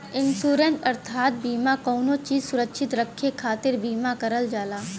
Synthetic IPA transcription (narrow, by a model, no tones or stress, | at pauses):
ɪnsuːɾẽntɐɾt̪ʰaːt̪̚biːmakoːnot͡ʃiːzsʊɾəkʃʰɪt̪ɾəkʰːekʰaːt̪ɪɾbiːmakɐɾəld͡ʒaːlaː